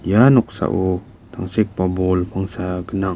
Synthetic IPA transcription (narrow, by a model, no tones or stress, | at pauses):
januk̚sa̰ʔu | t̪ʰaŋsik̚pabolpaŋsaɡəna